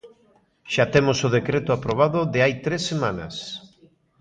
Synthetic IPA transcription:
ʃat̪emosʊð̞ekɾet̪ʊapɾoβ̞aðʊðɪajt̪ɾesːemãnɐ̰s

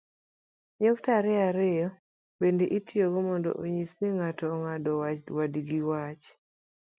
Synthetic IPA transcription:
ɲoktaɾɛaɾejɔ | bendeʔitioɡɔmɔndɔ̰ʔoɲisniŋatɔːŋadɔwat͡ʃwadiɡiwat͡ʃ

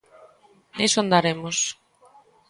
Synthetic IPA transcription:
nesond̪aɾemos

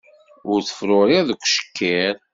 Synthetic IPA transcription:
ʊɾθə̥fɾʊɾiʁðəkʷːʃə̥kːæɾ

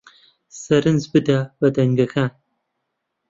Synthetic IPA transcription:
sɐɾɨnzbɨdawɐdɐŋɡɐxaː

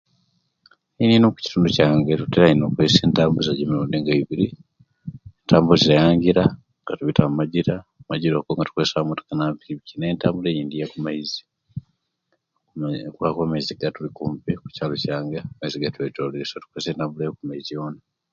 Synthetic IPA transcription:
ininoku̥ci̥tuːnducaːŋɡetuteɾainokweːseːntaːmbuzaɟimiɾuːndiŋɡaiβiɾi | entʰaːmbulziɾajaːŋɡiɾa | ŋɡatuβitammaɟiɾamaɟiɾokoŋɡatu̥kwesamutḁkanapiiβicineːntaːmbulejiːndijakumaizi̥ | kuakwamaiziɡatulikuːmpiku̥caːlocaːŋɡemaiziɡatuwetolesatu̥kweːseːntaːmbulejokumaizijo̞na

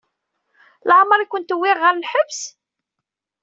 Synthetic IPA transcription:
lʕməɾˤikʷːənt̪wːɪʁːəɾlħəvs

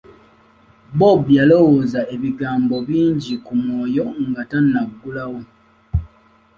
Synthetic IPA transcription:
bobjalo̞wozae̞βiɡaːmbo̞βiːɲɟikumwoːjo̞ŋɡatanːaɡːulawo

